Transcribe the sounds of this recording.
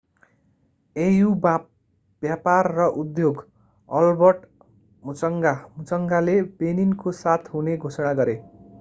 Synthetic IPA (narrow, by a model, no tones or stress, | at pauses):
ejub | b̥japarːʌʔud̪joɡ | ʌlbʌʈ | mut͡sʌŋɡamut͡sʌŋɡalebeninkosat̪ʰɦuneɡʱosʌɽ̃aɡʌɾe